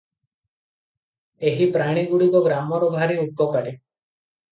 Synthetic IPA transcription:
eɦipɾaɽ̃iɡuɽikɔɡɾamɔɾɔbʱaɾiukːɔkaɾe

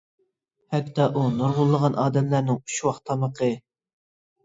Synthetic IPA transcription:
hɛkʲt̪ɑʔunoɾʁʊlˠːəʁɑnʔɑːd̪ɛmlæɾnɪŋy̥ʃwɑχt̪ʰɑməqʰə

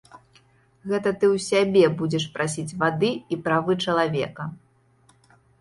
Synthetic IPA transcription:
ɣɛt̪ɐt̪ɨwsʲabʲɛbud͡zʲɛʂpɾʔasʲit͡sʲvad̪ɨipɾavɨt͡ʂɐlˠavʲɛ̰kɐ

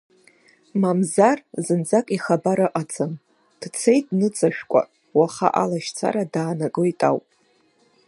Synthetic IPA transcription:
mamzarzɨnd͡zakʼiχabaɾaʔʼat͡sʰɨm | d̥t͡sʰe̞jtʼnɨt͡sʼaʃᶣkʷʼa̰ | waχa̰ʔalaʃt͡sʰa̰ɾadaːnakʼoitʼa̰wpʼ

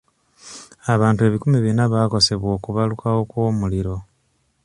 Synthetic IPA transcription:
aβaːntue̞βikumiβinaβaːko̞se̞βwo̞ːkuβalukawo̞kwo̞ːmuliɾo̞

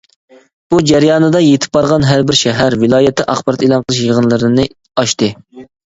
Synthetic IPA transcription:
b̥ud͡ʒæɾjɑːnɨd̪ɑjet̪ʰɪ̥p̚ːbɑɾʁɑnɦæɾbɪɾʃɛɦæɾvɪlˠɑːjɛt̪ʰːɛʔɑχb̥ɑɾɑt̪elˠɑnqʰəlˠɨʃjəʁənlˠɨɾɨnɨ | ɑʃt̪ɨ

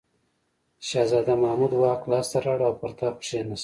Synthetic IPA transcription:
ʃɑzɑːd̪amamud̪wɑːqlɑːst̪aɾaɽawpaɾt̪apʂenas

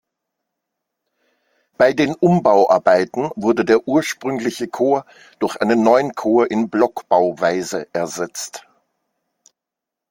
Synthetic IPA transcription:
b̥aɪdeːnʔʊmbaʊʔa̰ɐbaɪtn̩vʊɐdədeːɐʔuːɐʃpʁ̥ʏŋlɪçəkʰoːɐ | d̥ʊɐçʔaɪnənːɔʏənkʰoːɐʔɪnblɔkb̥aʊvaɪzəʔɛɐzɛt͡st

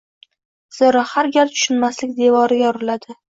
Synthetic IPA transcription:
z̥ɨɾɒhaɾɡʲaɾt̪ʰʊ̥ʃʊnmaslɪkʲd̪e̞vɒɾɪɡʲɒɾɪlad̪ɪ

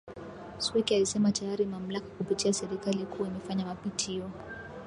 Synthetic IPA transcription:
swɛkialisɛmatajaɾimam̩lakakupitiasɛɾikalikuwaimɛfaɲamapitʰiɔ

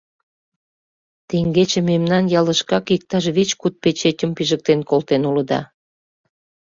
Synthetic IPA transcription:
t̪eŋɡet͡ɕememnɑnjɑlə̆ʃkɑkik̚t̪ɑʃβit͡ɕkut̪̚pet͡ɕetʲəmpiʒək̚t̪enkolt̪enuləd̪ɑ̰

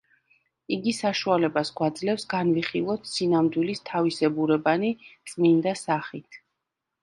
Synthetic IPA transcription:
iɡisaʃualɛbasɡwad̪zlɛfsɡanviχilˠɔt̪ʰsinamd̪wilist̪ʰavisɛbuɾɛbanit̪sʼmind̪asaχit̪ʰ

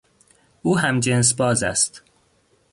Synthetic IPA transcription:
ʔuːɦæmd͡ʒens̬bɒːzæ̰st̪

